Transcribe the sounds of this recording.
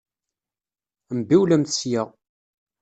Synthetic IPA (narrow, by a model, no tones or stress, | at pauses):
mbiwlæmθsjəʁ